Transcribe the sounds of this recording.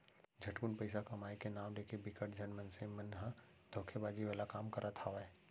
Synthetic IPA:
d͡ʒʱɐʈkunpɐɪsakɐmaːikenaːmleːkebɪkəʈd͡ʒɐnmənsemənɦə̃ | d̪̥ʱoːkʰebaːd͡ʒiʋaːlakaːmkɐɾʔat̪ʰaʋaɛː

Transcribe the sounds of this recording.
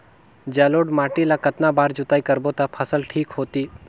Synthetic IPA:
d͡ʒɛloːɖmaːʈilakət̪nabaːɾd͡ʒʊt̪aːikəɾbot̪apʰəsəlʈʰiːkɦoːt̪iː

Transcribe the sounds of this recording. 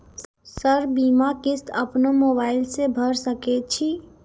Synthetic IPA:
səɾbiːmakɪst̪əpnomoːbaːɪlsebʱəɾsəket͡ʃʰi

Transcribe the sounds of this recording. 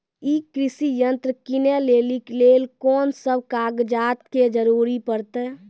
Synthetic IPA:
iːkɾɪsijənt̪ɾəkineleːlikleːlkɔːnsəb̚kaːɡd͡ʒaːt̪ked͡ʒəɾuːɾipəɾt̪ɛ

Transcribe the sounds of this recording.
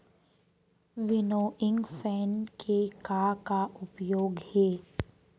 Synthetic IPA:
ʋɪnoːʔɪ̃ŋɡfɛːnkʰekakaʔʊpjoːɡhɛː

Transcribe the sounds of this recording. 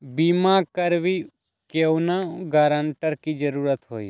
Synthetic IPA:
biːmãkəɾʋi | kewnaɡaːɾãːɳʈəɾkid͡ʒəɾuːɾət̪ɦo̰ːḭ

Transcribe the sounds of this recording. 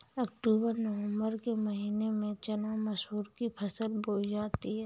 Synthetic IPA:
ɐkʈuːbəɾnɐʋə̃mbəɾkemɐɦiːnemẽt͡ʃɐnamɐʃɦuːɾkipʰɐsəlboːd͡ʒaːt̪iɦɛː

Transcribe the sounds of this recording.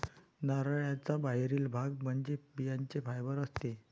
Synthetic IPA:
naɾɭjat͡sabaɦɾiːlbʱaɡm̤əɳd͡ʑebijaɲt͡ɕefajbəɾəst̪e

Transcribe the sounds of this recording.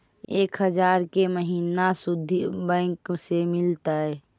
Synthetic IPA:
eːkɦəd͡ʒaːɾkeməɦiːnasʊd̪ʱːibɛ̃ːksemɪlt̪aɛ

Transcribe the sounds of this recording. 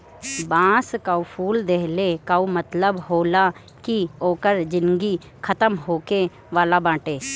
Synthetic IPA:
bãːskaupʰuːld̪eɦlekaumət̪ləbɦoːla | kioːkəɾd͡ʒɪnɡi | kʰət̪əmɦoːke | ʋaːlabãːʈeː

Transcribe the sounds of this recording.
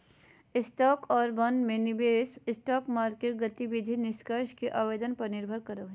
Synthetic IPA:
ɪsʈɔːkɔːɾbɐ̃nd̪mẽnɪbeːsɪsʈɔːkmaːɾkeːʈ̚ɡɐt̪iʋɪd̪ʱinɪʃkəɾʃkeʔaːʋeːd̪ənpɐɾnɪɾbʱəɾkɐɾəɦɛ

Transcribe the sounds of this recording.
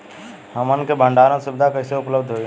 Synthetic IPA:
həmənkebʱə̃ɳɖaːɾõsʊbɪd̪ʱakəɦseʊpləbd̪ʱɦoi

